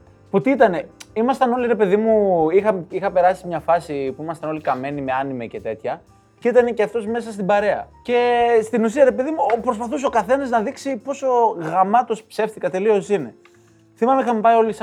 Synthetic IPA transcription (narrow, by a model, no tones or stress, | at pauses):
put̪iit̪ɐne̞imɐst̪ɐno̞liɾe̞pe̞ðimuixɐmixɐpe̞ɾɐsimɲɐfɐsipuimɐst̪ɐno̞likɐme̞nimeɐnimece̞t̪e̞t̪çɐ | ceit̪ɐne̞ceɐft̪o̞zme̞sɐst̪ibɐɾe̞ɐ̰ce̞st̪inusiɐɾe̞pe̞ðimupɾo̞s̬pɐθus̬okɐθe̞nɐznɐðiksipo̞so̞ɣɐmɐt̪o̞spse̞fθikɐt̪e̞lio̞sine̞ | θimɐmeixɐmepɐjo̞lis